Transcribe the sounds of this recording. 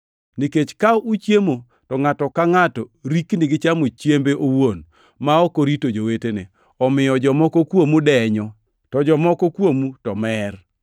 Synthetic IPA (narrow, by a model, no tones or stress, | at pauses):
niket͡ʃkaut͡ʃjemo | tɔŋatɔkaŋatɔɾiknɪɡɪt͡ʃamot͡ʃjembeʔowon | maɔkoɾitod͡ʒowetene | ɔmɪjɔd͡ʒɔmɔkɔkwomudɛɲɔ | tɔd͡ʒɔmɔkɔkwomutɔmɛr